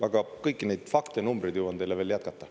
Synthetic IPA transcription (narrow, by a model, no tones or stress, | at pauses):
ɑɡ̥ɑkɤjkːine̞jd̪̥fɑkt̪enumbrijd̪̥jəwɑnt̪ejlːeve̞ːljæt̪̚kɑt̪ˑːɑ